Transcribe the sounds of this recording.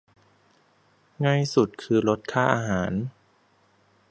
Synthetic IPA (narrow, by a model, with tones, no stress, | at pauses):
ŋa˥˧jsu˨˩t̪̚kʰɯː˧lo˦˥t̪̚kʰaː˥˩ʔaː˧ɦaː˩˦n